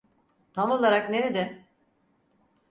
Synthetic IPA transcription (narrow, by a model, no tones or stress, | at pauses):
t̪ʰamo̞lˠaɾakneɾed̪ɛ